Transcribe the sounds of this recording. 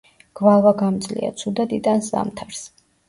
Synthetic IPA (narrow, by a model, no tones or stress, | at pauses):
ɡ̥valˠvaɡamd̪zlḭa̰t̪sʰud̪ad̪it̪ʼansza̰mt̪ʰaɾs